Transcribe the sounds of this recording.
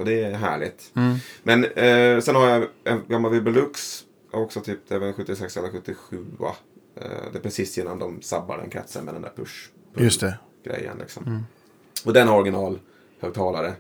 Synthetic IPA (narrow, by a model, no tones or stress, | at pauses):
ɔd̪ɛːɦæ̰ːɭɪ̰t̪mɛnsɛnhaɾjaɛnɡamːalvɪbəlɵks | ɔksɔt̪ʰyːpd̪ɛːvənɧɵt̪ːɪsɛksɛlːəɾɧɵt̪ːɪɧʉ̟ːa̰ | d̪ɛpʰɾɛsiːsɪnːand̪ɔmsabːa̰ɖɛ̰nkʰɾɛ̰t̪sə̰nmɛd̪ɛnd̪æ̰ːɾpʰɵʂ | pʰɵst̪ɛ | ɡ̥ɾɛ̰jːə̰nlɪ̰ksɔ̰m | ɔd̪ɛnɔɾɡɪnɑːl | hœːɡ̚t̪ʰɑːlaɾə